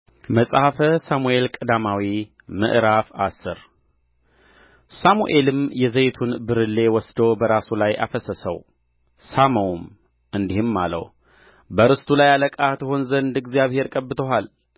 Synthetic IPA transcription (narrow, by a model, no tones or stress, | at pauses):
məsʼhafəsamue̞lkʼəd̪amawi | mɨ̰ʔɾafasɨɾ | samṵʔe̞lɨmjɛzejt̪ʰunbɨɾɨlːe̞wɔsd̪owbəɾasulajʔa̰fəsəsəw | saməwm | ʔɨnd̪ihɨmːalə̰w | bəɾɨst̪ʰulajaləkʼat̪ʰəɦo̞nzənd̪ɨɡzijaβhe̞ɾkʼəbːɨt̪ʰəɦal